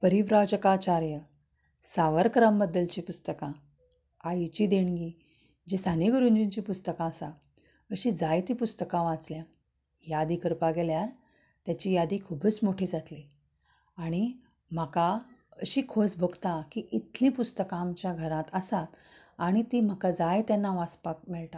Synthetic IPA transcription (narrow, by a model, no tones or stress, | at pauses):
pəɾiʋɾad͡ʑəkat͡ɕaɾjə | saʋəɾkɾambəd̪ːəlt͡ɕiːpust̪əkã | ajt͡ɕiːd̪eɳɡiː | d͡ʑisaniɡəɾuɲd͡ʑiɲt͡ɕipust̪əkãːsa | əɕid͡zajt̪ipust̪əkãʋãt͡slja | jad̪ikəɾpaɡeljaɾ | t̪jat͡ɕiːjad̪ikʰuːbət͡smoʈʰiːd͡zʱat̪li | aɽ̃i | m̤əkaəɕiːkʰod͡zbʱoɡt̪ãkiʔit̪lĩpust̪əkãmt͡ɕjaɡʱəɾãt̪əsat̪ | aɽ̃it̪im̤əkad͡zajt̪janːaʋaspak̚mɛɭʈã